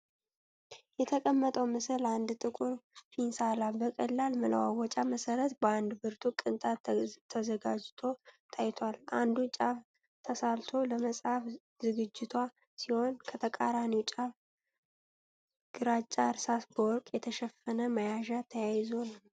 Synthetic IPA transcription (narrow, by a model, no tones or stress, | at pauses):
jɛt̪ʰəkʼəmːət̪ʼəwmɨsɨland̪t̪ʼɨkʼuɾfinsalabəkʼəlːalmɨlə̰wa̰wɔt͡ʃʼaməsəɾət̪bəand̪bɨɾt̪ʰukʼɨnt̪ʰʼat̪ʰəzəɡad͡ʒt̪ʰo̞t̪ʰajt̪ʰalʔa̰nd̪ut͡ʃʼaf | t̪ʰəsalt̪ʰo̞ləməsʼhaf | zɨɡɨd͡ʒːɪt̪ʰwʷa | siho̞nkʰət̪ʰəkʼaɾanit͡ʃʼaf | ɡ̥ɨɾat͡ʃʼaɾsasbəwɔɾkʼjɛt̪ʰəʃɛfːənəməjaʒat̪ʰəjajzol